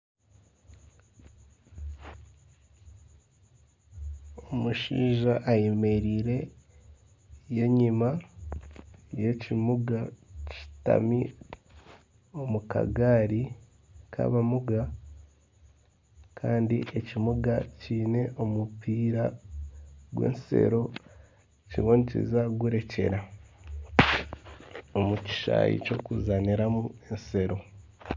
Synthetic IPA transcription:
omuʃiːʒaʔːjemeɾiːɾe̞ | je̞ɲima | je̞cimuɡaci̥ta̰mi | o̞muka̰ɡaːɾi | kʰa̰βamuɡa | kʰaːndiʔe̞cimuɡaciːne̞ʔo̞mupiːɾa | ɡwe̞̰ːnse̞̰ɾo̞ | ciβoːnicḭzaɡuɾe̞ce̞̰ɾa | omuci̥ʃa̰ːjḭcokuzaniɾamue̞nse̞ɾo̞

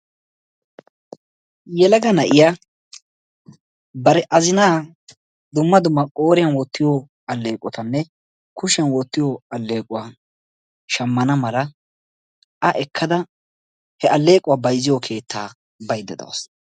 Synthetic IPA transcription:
jɛlɐɡɐnɐʔɪja | bɐɾɛʔɐzɪnaː | d̪ʊmːɐd̪ʊmːɐkʼo̞ːɾɪjɐnwɔt̪ːɪjɔ | ɐlːe̞ːkʼːɔt̪ɐnːɛ | kʊʃɐnwɔt̪ːɪjɔɐlːe̞ːkʼʊwaː | ʃɐmːɐnɐmɐlɐ | ʔɐʔɛkʰːɐd̪ɐ | hɛʔɐlːe̞ːkʼʊwaːbɐjzːɪjɔkʰe̞ːt̪ːa̰ː | bɐjd̪ːɛd̪ɐ̰wɐ̰s

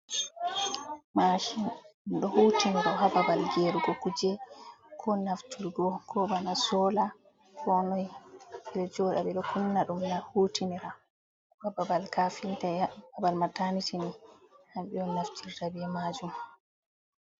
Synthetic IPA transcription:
maʃinɗɔhutiniɾahababalɡeɾuɡɔkud͡ʒɛkʰɔnaftʰilɡɔkʰɔbanasɔla | kɔnɔjɓɛɗɔd͡ʒɔɗabɛɗɔkʰunːaɗumnahuːtiniɾa | hababalkafintajaabalmatanitinihamɓɛɔnaftʰiltabɛmad͡ʒum

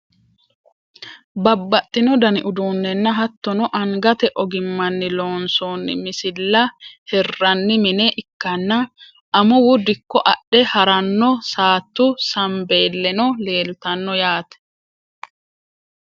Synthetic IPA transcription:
bɐbːɐt̪ʼːɪnɔd̪ɐnɪʔʊd̪uːnːɛnːɐɦɐt̪ːɔnɔʔɐŋɡɐt̪ɛʔɔɡɪmːɐnːɪloːnsoːnːɪ̰mɪsɪlːɐhɛrːɐnːɪmɪnɛʔɪkːɐnːɐ | ʔɐmʊwʊd̪ɪkːɔʔɐɗɛhɐɾɐnːɔsaːt̪ːʊsɐmbe̞ːlːɛnɔle̞ːlt̪ɐnːɔjaːt̪ɛ̥

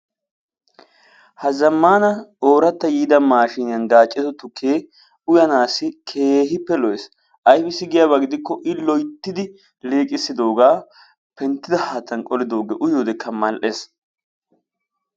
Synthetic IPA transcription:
hɐzɐmːaːnɐoːɾɐt̪ːɐjiːd̪ɐmaːʃɪnɪjɐnɡaːt͡ʃʼːɪt̪ɔt̪ʊkʰːeː | ʊjɐnaːsːɪkʰeːɦɪpːɛlɔjɛs | ʔɐjfɛsɪɡɪjaβɐɡɪd̪ɪkːɔʔɪlɔjt̪ːɪd̪ɪ | leːkʼɪsːɪd̪o̞ːɡaː | pɛnt̪ːɪd̪ɐhaːt̪ːɐnkʼɔlɪd̪o̞ːɡɛʔʊjoːd̪ɛkʰːɐmɐlʔe̞ːs

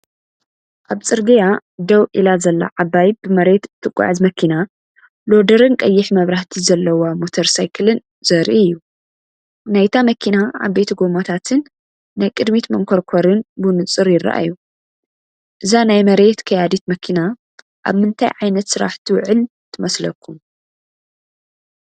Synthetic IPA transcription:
ʔaβt͡sʼɨɾɡɐjad̪ɐwʔilazɐlːɐ̰ʕaβajbɨmɐɾe̞t̪ɨt̪ʰːɨkʷʼːa̰ʕɨzmɐkʰina | lod̪ɐɾɨnkʼɐjːɪħmɐβɾaht̪ʰizɐlːɐwamot̪ʰɐɾsajkʰɨlɨn | zɐɾijːu | najt̪ʰamɐkʰinaa̰βbe̞t̪ʰɐɡo̞mot̪ʰat̪ʰɨnː | ajkʼɨd̪mit̪mɐŋkʰoɾkʰoɾɨnbunɨt͡sʼɨɾjɪrːɐ̰ʔa̰ju | ʔɨzanajmɐɾe̞t̪kʰɐjad̪it̪mɐkʰina | ʔa̰βmɨnt̪ʰa̰jʕajnɐt̪sɨɾa̰ħt̪ʰiwʊʕɨl | t̪ʰɨmɐslɐkʰːum

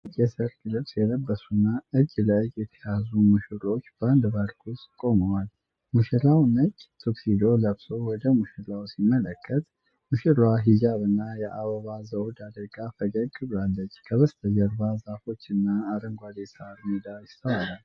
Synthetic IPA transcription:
jɛsɨɾkʼlɨβsjɛd̪əbːəsunːaɨd͡ʒːləjɛt̪ʰə̥jazumɨʃɨɾo̞t͡ʃːb̥and̪βaɾkʰuskʼo̞məwal | muʃilawnət͡ʃʼːt̪ʰoksid̪o̞ləβso̞wɔd̪əmuʃɨlawsimːələkʰːət̪ | mɨʃɨɾwaɦid͡ʒaβɨnːajɛʔaβəβazəwd̪ad̪əɡafəɡəkʼːɨbalːət͡ʃːkʰəβəst̪ʰəjəɾbazafo̞t͡ʃːɨnːaːɾəŋɡʷad̪esaɾmid̪ajɪst̪ʰəwalal

